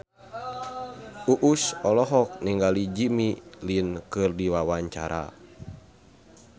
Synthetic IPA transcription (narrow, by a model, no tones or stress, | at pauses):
uʔusɔlɔɦɔk̚niŋɡalid͡ʒimilinkɨrdiwawaɲt͡ʃa̰ɾa̰